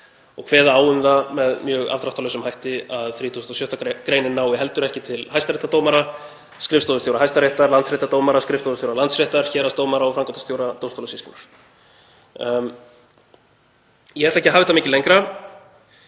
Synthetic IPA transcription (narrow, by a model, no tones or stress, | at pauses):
ɔɣkʰvɛːðaaːwʏmðamɛðmjœːɣa̰vt̪ɾaht̪alːsʏmhajht̪ɪaðθɾiːt̪ʰusʏnt̪ɔsjœht̪akɾeːjnɪnaːwɪɦɛlt̪ʏɾɛhcɪt̪ʰɪlhajst̪aɾejht̪at̪owmaɾa | skɾɪfst̪owðʏst̪jowɾaɦajst̪aɾeht̪aɾlantsɾeht̪at̪owmaɾaskɾɪfst̪owðst̪jowɾalant̪sreht̪aɾ̥çɛːɾast̪oːwmaɾaɔfɾawŋkat̪ast̪jowɾat̪owmst̪owlasist̪ɪ̰naɾ̥ | jɛhɛɾt̪ɛhcɪɦaːvɪt̪amɪːcɪlejŋkɾa